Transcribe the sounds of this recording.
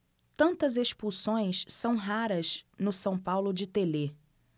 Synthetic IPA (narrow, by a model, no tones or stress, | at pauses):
t̪ɐ̃nt̪ɐzeʃpusõj̃ssɐ̃w̃ɦaɾɐznʊsɐ̃w̃pawlʊd͡ʒɪt̪ele